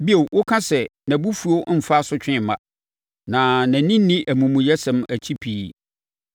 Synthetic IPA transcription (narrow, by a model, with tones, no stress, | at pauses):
bi˦o˨wwʊ˦kʰã˦sɛ˨næ̃˨bu˦fu˨o˦m̩˦˨fa˦sʊ˦t͡ɕᶣɪ̃˦˨˦mã˦ | nã˨næ̃˨˦nĩ˦nĩ˦ʔæ˨mũ˨mũ˨jɛ˦sɛ̃˨mæ˨t͡ɕʰi˦pʰi˨